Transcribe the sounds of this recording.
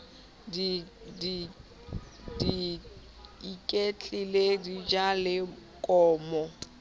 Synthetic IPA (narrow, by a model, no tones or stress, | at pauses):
didi | di | ikʼet͡ɬʼiledid͡ʒalɪ | kʼɔːmɔ